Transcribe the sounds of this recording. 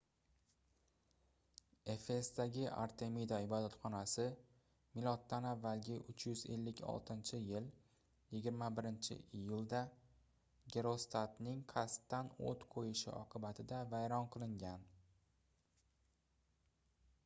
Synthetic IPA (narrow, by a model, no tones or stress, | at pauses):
e̞fe̞sd̪aɡʲɪʔa̰ɾt̪ʰe̞mid̪aɪbɒd̪at̪χɒnasɪ | mɪlˠɒt̪ːanavːalɡʲɪʔʊt͡ʃʰjʏze̞̰lːɪkʲʰɒ̰lˠt̪ʰɪnt͡ʃʰɪjɪl | jɪɡʲɪɾmabɪɾɪnt͡ʃʰɪ̰ʔijʊlˠd̪a | ɡʲe̞ɾo̞st̪ʰat̪nɪŋqʰɑst̪ːano̰t̪qʰojɪʃɪ̰ʔɒqʰɨbat̪ʰɪd̪avajɾɒnqʰɨlˠɪŋɡʲan